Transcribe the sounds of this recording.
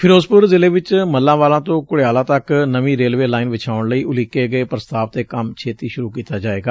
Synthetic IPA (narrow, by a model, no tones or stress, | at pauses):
pʰɪɾoːzpʊɾzɪleːʋɪt͡ʃməlːãːʋaːlãːt̪õːkʊɽeaːlãːt̪əknəʋĩːɾeːlʋeːlaːɪnʋɪt͡ʃʰaːʊɳləiːʊliːkeːɡəeːpɾəst̪aːʋt̪eːkəmt͡ʃʰeːt̪iːʃʊɾuːkiːt̪aːd͡ʒaːeːɡaː